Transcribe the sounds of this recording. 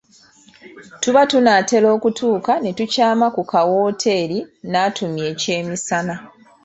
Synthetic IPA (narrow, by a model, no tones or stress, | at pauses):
tuβatunaːte̞lo̞ːkutʰuːkane̞tucaːmakukawo̞ːtʰe̞ːɾinaːtʰumje̞ːce̞ːmisana